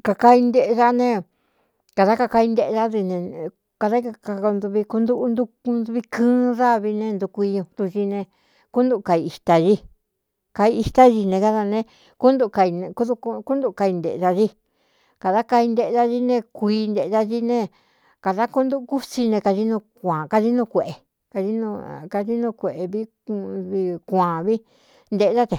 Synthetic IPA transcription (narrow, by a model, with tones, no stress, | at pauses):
ka˧ka˧i˧nd̪e˧ʔe˧ða˧nẽ˧ | ka˨ða˦ka˧ka˧i˧nd̪e˧ʔða˦ði˧nẽ˧ | ka˧ða˦ka˧ka˧nd̪u˧βi˧ku˧nd̪u˦ʔnd̪u˧ku˧nd̪u˧βi˧kɨ̃ː˦ða˦βi˧nẽ˧nd̪u˧kʷi˧ɲũ˧t̪u˧ʒi˧nẽ˧ | ku˦nd̪u˧ka˧i˧i˧t̪a˧ʒi˦ | ka˧i˧i˧t̪a˦ʒi˧nẽ˧ka˧ða˧nẽ˧ | ku˦nd̪u˧ka˧i˧ñ˧ku˦ðu˧ku˦nd̪u˧ʔka˧i˧nd̪ḛ˨˧ða˧ʒi˦ | ka˨ða˦ka˧i˧nd̪e˧ʔða˧ʒi˦˧nẽ˧kʷiː˧nd̪e˧ʔða˧ʒi˦nẽ˦˧ | ka˨ða˦ku˦nd̪u˦˧ku˦si˧nẽ˧ka˧ʒi˦nũ˧kʷã˨ka˧ʒi˦nũ˧kʷe˨ʔe˨ | ka˧ʒi˦nũ˧ka˧ʒi˦nũ˧kʷe˨ʔe˧βi˦ | βi˧kʷã˨βi˦ | nd̪e˧ʔða˦t̪e˨